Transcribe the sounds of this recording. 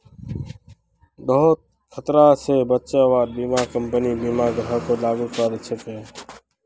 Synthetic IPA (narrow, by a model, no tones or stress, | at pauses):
ɗəɦʊt̪̚ | kʰət̪ɾaːseːbətːt͡ʃaːʋaːɾbiːmãːkəmpəniːbiːmãːɡɾɦəkoːlaːɡuːkaːɾt͡ʃʰəpeː